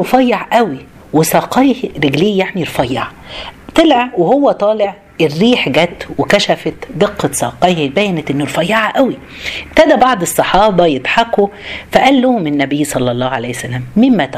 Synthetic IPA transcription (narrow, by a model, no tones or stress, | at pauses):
ɾfɑjːɑʕʔæwi | wesɑːqɑjhɾeɡliːjaʕmiɾfɑjːɑʕ | t̪elʕæwehowːæt̪ˤɑːleʕ | erːiːħɡæt̪wekæʃæfæt̪d̪eqːɑt̪sˤɑːqɑjhbæːjːænæt̪ʔenːoɾfɑjːɑʕaʔæwi | b̥̚t̪æd̪æbɑʕd̪ˤesˤːɑħɑːbɑjet̪ħɑkːufæʔælːohmenːæbɪjːsˤɑlːɑlˤːɑːhʕalæjhæsælːæːmːɪmːæt̪